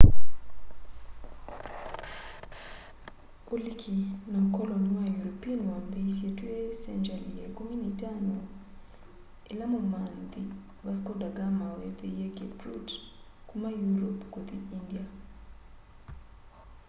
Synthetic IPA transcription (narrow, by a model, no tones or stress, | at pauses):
olikʰinakɔlɔniwajuɾopianwambesjetuesɛnd͡ʒaliekominitano | elamomand̪i | baskodaɡamawɛt̪ejeɡebɾṵt | kumajuɾopkot̪iindia